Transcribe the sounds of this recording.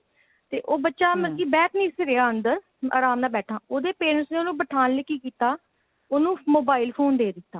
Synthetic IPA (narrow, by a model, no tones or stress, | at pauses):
t̪eːʔoːbətːʃaːməkiːbɛːʈʰnĩːseɾeaːənd̪əɾ | a̰ːɾaːmnaːbɛːʈʰãːoːd̪eːpeːnəsneːoːnũːbəʈʰaːnlekːiːkiːt̪aː | oːnũːmoːbaːɪlpʰoːnd̪eːd̪ɪt̪ːaː